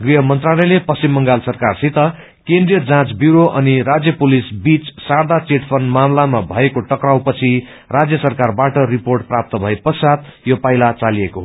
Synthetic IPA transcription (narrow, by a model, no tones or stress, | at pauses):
ɡriɦʌmʌnt̪ralʌjlepʌst͡simːʌŋɡalsʌrkarsit̪ʌ | kend̪rijʌd͡zãt͡sbjuɾoʔʌniɾad͡zjʌpulisbit͡ssard̪at͡seʈpʰʌnmamlamabʱʌekoʈʌkraw̃pʌt͡sʰi | rad͡zjʌsʌrkarbaʈʌriporʈ̚prap̚t̪ʌbʱʌepʌsat̪jopailat͡saliekoɦ